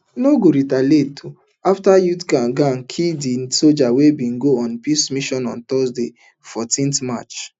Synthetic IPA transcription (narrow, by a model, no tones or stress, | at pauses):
noɡoɾitaletʰu | aftajutkaɡãŋkʰidinsod͡ʒawebĩŋɡoɔ̃npismiʃɔ̃nɔ̃nt̪ɔsde | fɔtĩntma̰t͡ʃ